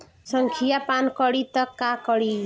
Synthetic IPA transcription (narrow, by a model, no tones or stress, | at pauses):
sʌŋkʰijapankɔɽit̪ʌkakɔɽi